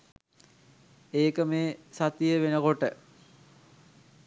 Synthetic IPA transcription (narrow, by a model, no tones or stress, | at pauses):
eːkəmeːsat̪ijəʋenəkoʈə